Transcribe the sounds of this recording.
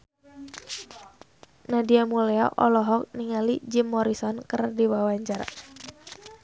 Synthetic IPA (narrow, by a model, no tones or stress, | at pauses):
nadiamulɛa̰ʔɔlɔɦɔk̚niŋalid͡ʒimːɔɾisɔnkərdiwawaɲd͡ʒar